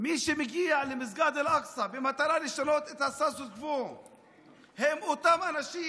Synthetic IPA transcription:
miʃemeɡialemiz̬ɡad̪elʔaksabemat̪aɾaliʃanot̪et̪hasasusvu | hemot̪amanaʃi

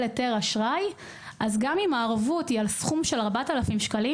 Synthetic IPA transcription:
leteʁaʃʁaj | ʔazɡamimaːʁavutialsχumʃe̞laʁbatalafimʃkali

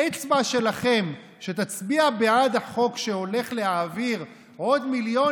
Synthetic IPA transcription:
et͡svaʃe̞laχe̞m | ʃe̞t̪at͡sbiabead̪aχo̞kʃe̞o̞le̞χle̞aːviʁ | o̞d̪miljo̞

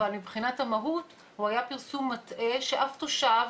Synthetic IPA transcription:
almibχinathamaɦut | huhajapiʁsumːatʔeʃeʔaftoʃav

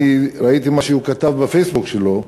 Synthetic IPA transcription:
iɾait̪imaʃeukat̪avbefejsbukʃelo̞

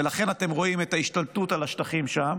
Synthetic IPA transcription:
elaχe̞nat̪e̞mʁo̞imet̪aiʃt̪alt̪ut̪alaʃtaχimʃam

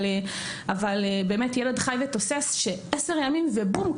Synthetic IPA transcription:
avalebe̞ːmetjeled̪χajvet̪o̞sesʃe̞ʔese̞ʁjamimvebum

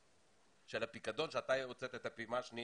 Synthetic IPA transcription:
ʃelapikad̪o̞nʃeat̪ajeot͡set̪et̪apimaʃni

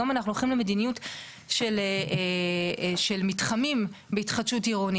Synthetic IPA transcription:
amanaχnuoχimleme̞dinijut | ʃelee | ʃelmitχamimbeitχatʃutiʁoni

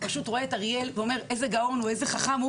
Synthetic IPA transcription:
paʃutʁoeːtaʁje̞lveo̞me̞ʁe̞zeɡao̞nuezeχaχamu

